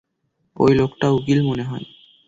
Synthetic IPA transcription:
o̰jlokʈauɡilmoneɦɔe

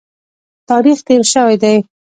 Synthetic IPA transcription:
t̪ɑɾixt̪eɾʃəwajd̪aj

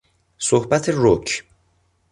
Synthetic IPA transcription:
sohbæt̪ʰeɾocʰ

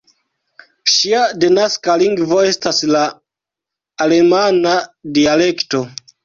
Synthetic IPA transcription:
ʃiadenaskaliŋɡvo̞e̞stasla | le̞manadiale̞kto̞

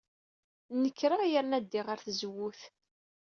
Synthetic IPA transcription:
nəkːɾəjəɾnæd̪ːiʁəɾθzəwːuθ

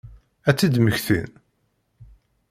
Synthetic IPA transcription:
æt͡sːid̪məçθḭn

